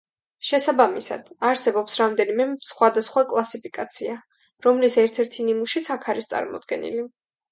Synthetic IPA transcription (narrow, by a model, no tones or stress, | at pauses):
ʃɛsabamisa̰d̪̥aɾsɛbɔpsɾamd̪ɛnimɛsχwad̪asχwakʼlˠasipʰikʼat̪sʰia | ɾɔmlisɛɾt̪ʰɛɾt̪ʰinimuʃit̪sʰakʰaɾist̪sʼa̰ɾmɔ̰d̪ɡɛ̰nḭli